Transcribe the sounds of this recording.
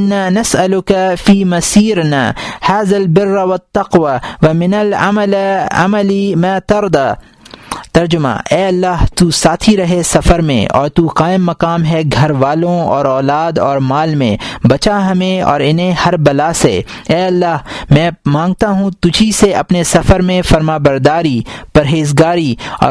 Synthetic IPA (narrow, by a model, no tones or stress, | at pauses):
ɪnːaːnɐsɐlʊkafiːmɐsiːɾnaːhaːðɐlbɪrːʋɐt̪ːɐqʋaʋɐmɪnɐla̰mɐlɐ̰mɐlimãːt̪ɐɾd̪a | t̪ɐɾd͡ʒʊma̰ːʔɛːɐlːaːɦt̪usaːt̪ʰiɾɐɦesɐfəɾmḛ̃ʔɔ̰ːɾt̪uqaːɪmːɐqaːmɦɛɡʱɐɾʋaːlõɔːɾɔːlaːd̪ɔːɾmaːlmḛ̃bɐt͡ʃaɦɐmẽɔ̰ːɾɪnɦẽhɐɾbɐlase | ɛːɐlːaːɦmɛ̃ːmãːŋɡ̚t̪aɦũt̪ʊd͡ʒʱiseɐpnesɐfəɾmẽfɐɾmaːbɐɾd̪aːɾipɐɾɦeːzɡaːɾiɔ̰ː